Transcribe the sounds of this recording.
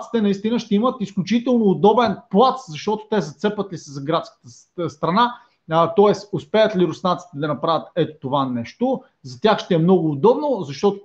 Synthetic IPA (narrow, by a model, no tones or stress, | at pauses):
t̪si̥t̪ɛnɐist̪inəʃt̪ɛimət̪isklʲʊt͡ʃit̪ɛlˠnoːd̪ɔbɛnplˠat̪zɐʃt̪ɔt̪o̥t̪ɛzɐt̪sɛpət̪lisɛzɐɡɾat̪skə̥t̪ə | st̪ɾɐna | t̪ɔɛsʊspɛət̪liɾʊsnat̪si̥t̪ɛd̪ɐnɐpɾavʲət̪ɛt̪o̥t̪ovanɛʃt̪o | zɐt̪ʲjaxʃt̪ɛɛmnɔɡʊːd̪ɔbnozɐʃt̪ɔt̪ʊ